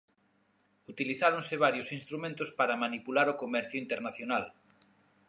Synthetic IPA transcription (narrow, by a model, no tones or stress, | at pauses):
ut̪iliθaɾonsɪβ̞aɾjosinst̪ɾumẽnt̪ʊspaɾamanipulaɾokomɛɾθjoʊint̪eɾnaθjonal